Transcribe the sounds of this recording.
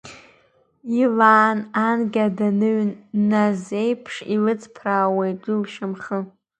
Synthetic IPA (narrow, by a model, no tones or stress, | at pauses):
ilaːnanɡʲadanɨɥnːazejpʰʂḭlɨt͡sʰʼpʰraːwejdulʃamχə